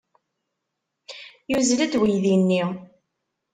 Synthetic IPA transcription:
juzlæd̪wijðinːi

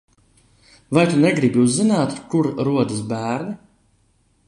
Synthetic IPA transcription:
vajt̪unɛɡɾibʲiuzːinaːt̪kuɾɾuɔd̪is̬bæːɾni

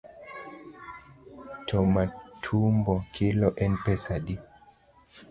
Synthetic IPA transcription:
tʰɔmatʰumbɔkʰilɔʔɛnpɛsaɗi

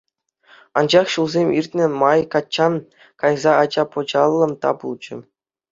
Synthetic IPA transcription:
ɑ̰nd͡ʑɑχɕulˠzʲemʲirʲt̪ʲnʲɘ̆mɑjkɑt͡ɕːɑn | kɑjzɑɑd͡ʑɑpŏd͡ʑɑlˠːɤ̆mt̪ɑ̰bulˠd͡ʑɘ̆

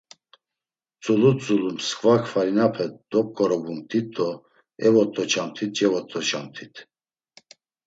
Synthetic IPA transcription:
t͡sʼulut͡sʼulumskʼvakʰfaɾinapʰɛd̪ɔp̚kʰʼɔɾɔbumt̪it̪ʼːɔ | ɛvɔt̪ʼːɔt͡ʃʰamt̪ʰit̪̚t͡ʃʼɛvɔt̪ʼːɔt͡ʃʰamt̪ʰit̪ʰ

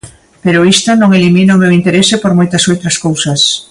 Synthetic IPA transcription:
peɾʊist̪anõŋeliminaomewint̪eɾesepoɾmojt̪ɐsowt̪ɾɐskowsas

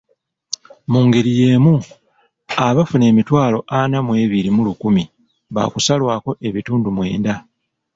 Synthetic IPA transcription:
muŋɡe̞ɾije̞ːmu | aβafune̞ːmitwaːlo̞ʔanamwe̞ːβiɾimulukumi | βa̰kusalwaːko̞ʔe̞βituːndumwḛːnda

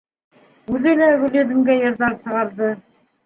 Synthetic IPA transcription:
ʉðɘ̆læɡɵ̆lɘ̆ðɘ̆mɡæjɤ̆ɾðɑɾsɤ̆ʁɑɾðɤ

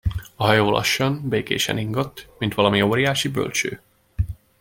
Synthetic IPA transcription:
ɒɦɒjoːlʔɒ̰ʃːɒnbeːkḛːʃɛ̰niŋɡot̪ːmint̪ʋɒlɒmioːɾijaːʃibø̰lt͡ʃø̰ː

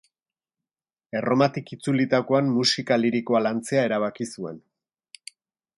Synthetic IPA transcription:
e̞ro̞mat̪ikit͡sulit̪ako̞anmusikaliɾiko̞alant͡se̞ae̞ɾaβ̞akisue̞̰n

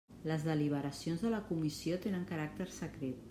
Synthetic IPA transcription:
ləzðəliβ̞əɾəsionzðələkumisiot̪enəŋkəɾak̚t̪əɾsəkɾet̪̚

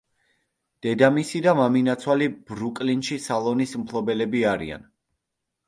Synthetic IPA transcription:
d̪̥ɛd̪amisid̪amaminat̪sʰwalibɾukʼlinʃisalˠɔnismpʰlˠɔbɛlɛbiaɾḭa̰n

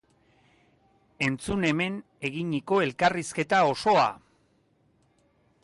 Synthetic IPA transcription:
e̞nt͡sune̞me̞n | e̞ɣiɲiko̞e̞lkariske̞t̪ao̞so̞a̰

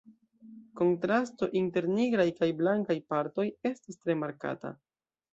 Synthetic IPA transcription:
ko̞ntɾasto̞ʔinte̞ɾniɡɾajkajblaŋkajpaɾto̞je̞stistɾe̞maɾka̰ta̰

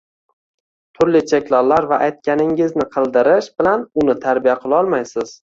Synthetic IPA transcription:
t̪ʰʊɾlɪt͡ʃʰe̞kʲlɒlːaɾvaʔajt̪̚kʲanɪŋɪznɪqʰɨlˠd̪ɪɾɪʃbɪlanʊnɪt̪ʰaɾbijaqʰɨlˠɒlˠmajsɪz̥

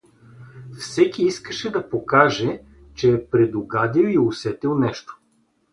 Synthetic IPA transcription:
fsɛkiiskəʃɛd̪ɐpokaʒɛ | t͡ʃɛːpɾɛd̪oɡad̪ilˠiosɛt̪ɛlˠnɛʃt̪o̥

